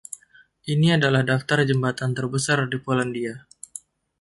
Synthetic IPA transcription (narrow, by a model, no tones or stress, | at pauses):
ʔiniadalahdaft̪ard͡ʒəmbat̪ant̪ərbəsardipolandia